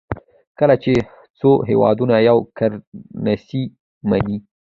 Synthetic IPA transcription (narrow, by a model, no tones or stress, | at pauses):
kəlat͡ʃe | t͡soɦewɑ̰d̪unajawkaɾnasi | mani